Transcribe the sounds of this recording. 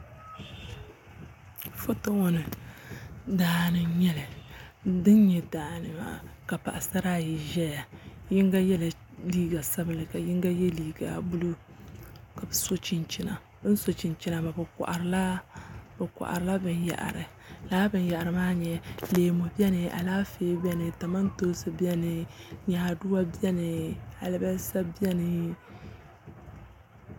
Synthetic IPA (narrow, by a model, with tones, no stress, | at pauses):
fʊ˦to˦ŋo˦nɨ˨ | daː˨nɨ˨ɲɛ˦lɨ˨dɨ˦n˦ɲɛ˨daː˨nɨ˨ma̰ː˨ka˨pa˨ʔa˨sa˦ɾa˦ji˨ʒɛ˦ja˨ji˦ŋɡa˦jɛ˦la˨liː˦ɡa˨sa˦bɨ˨lɨ˨ka˨jɪ˦ŋɡa˦jɛ˦liː˦ɡa̰˨bu˦lu˦ | ka˨bɨ˨so˦t͡ʃi˦nt͡ʃi˦na˨ | b̩˦so˨t͡ʃi˨nt͡ʃi˦na˨ba˨bɨ˨ka̰˨ʔa̰˨ɾɨ˦la˦bɛ˨ka̰˨ʔa̰˨ɾɨ˨la˦bɨ˨nja̰˨ʔa̰˨ɾɨ˨ | laː˦bɨ˨nja˨a˨ɾɨ˨maː˦ɲɛ˨leː˨mo˨bi˦ɛ˦nɨ˨ʔa̰˨laː˦feː˦bɛ˦nɨ˨ta˨ma˦n˦toː˦sɨ˦bi˦ɛ˦nɨ˨ɲaː˨du˦wa˦bi˦ɛ˦nɨ˨a̰˨lɨ˦ba˦sa˦bi˦ɛ˦nɨ˨